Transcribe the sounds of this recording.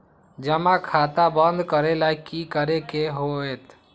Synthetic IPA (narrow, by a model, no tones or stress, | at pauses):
d͡ʒəmãkʰaːt̪abə̃nd̪kəɾelaikikəɾekeɦoet̪